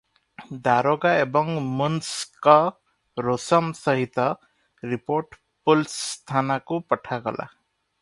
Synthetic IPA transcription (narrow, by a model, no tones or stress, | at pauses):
d̪aɾoɡaebɔŋmunskɔ | ɾosʌmsʌɦit̪ʌ | ɾipoɾʈ | pulst̪ʰanakupʌʈʰaɡɔ̰lʔa̰